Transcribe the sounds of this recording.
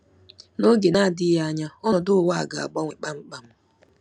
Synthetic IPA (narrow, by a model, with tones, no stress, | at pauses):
no˦ɡe˨na˦˨dɪ˦ja˦ɲa˦ɔ˦ɔ˨dʊ˦wa˦a̰˨ɡa˨a̰˨ɡ͡ba˦ŋʷe˨k͡pa˦ŋ͡m̩˦k͡pa˦m̩˦